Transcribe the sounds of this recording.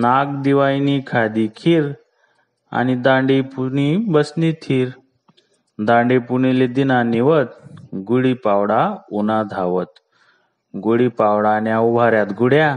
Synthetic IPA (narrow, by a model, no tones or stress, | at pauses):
naɡ̚d̪iʋajnikʰad̪ikʰiːɾ | a̰ñid̪ãɳɖipunibəsnit̪ʰiːɾ | d̪ãɳɖepuniled̪inaniʋət̪̚ɡuɽipawɽaunad̪ʱaʋət̪ | ɡuɽipawɽanjaubʱaɾjat̪ɡuɽja